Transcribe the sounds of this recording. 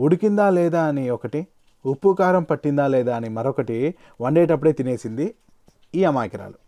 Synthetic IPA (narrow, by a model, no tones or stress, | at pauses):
uɽikind̪aːlɛːd̪aːɐniɔkɐʈi | upːukaːɾɐmpɐʈːind̪aːlɛːd̪aːɐnimɐɾokɐʈi | ʋɐɳɖeːʈɐpːuɽe̞ːt̪ine̞ːsind̪i | iːɐmaːjkɐɾa̰ːlu